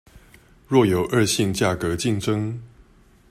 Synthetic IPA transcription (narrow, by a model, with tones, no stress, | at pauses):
ɻwɔ˥˩jo˨˩ʊʔə˞˥˧ɕi˥˧ŋt͡ɕja˥˩kə˨˦t͡ɕi˥˩ŋʈ͡ʂə˥ŋ